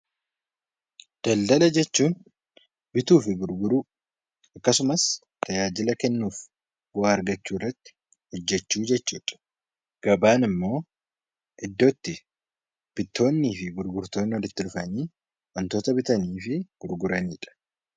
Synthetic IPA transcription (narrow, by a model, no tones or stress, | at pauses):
d̪̥ɐld̪ɐlɐd͡ʒɛt͡ʃːuːn | bɪt̪uːfɪɡʊɾɡʊɾuː | ɐkːɐsʊmɐs | tt̪ɐjaːd͡ʒɪlɐkɛnːuːf | ɡaːɐɾɡɐt͡ʃːuːrːɐt̪ːɪ̥ | hɔd͡ʒːɛt͡ʃːuːd͡ʒɛt͡ʃːuːᶑɐ̥ | ɡ̥ɐbaːnɪmːo̞ː | ʔɪd̪ːot̪ːɪ | b̥ɪt̪ːo̞ːnːiːfɪɡʊɾɡʊɾt̪o̞ːnːɪwɔɾɪt̪ːɪɾʊfɐniː | wɐnt̪oːt̪ɐbɪt̪ɐniːfɪɡ̥ʊɾɡʊɾɐniːᶑɐ̥